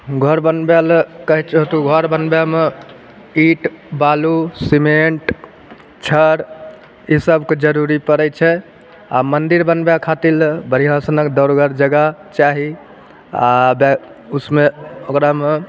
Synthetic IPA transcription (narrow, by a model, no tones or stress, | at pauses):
ɡʱəɾbənbelkəɦit͡ʃot̪uɡʱəɾbənbjame | iʈbalusimeɳʈ | t͡ʃʰəɾ | isəbked͡ʒəɾuɾipəɾɛt͡ʃʰɛ | a̰mənd̪iɾbənbjakʰat̪ilbəɾiɦasənəkd̪əɾɡəɾd͡ʒəɡat͡ʃaɦi | abusmeokɾame